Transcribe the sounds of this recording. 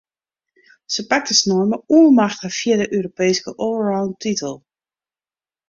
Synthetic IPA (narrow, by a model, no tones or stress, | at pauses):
səpak̚təsnɔɹməuəlˠmaxtəfiadəʔøːɾopeːskəʔɔlɹawntitəlˠ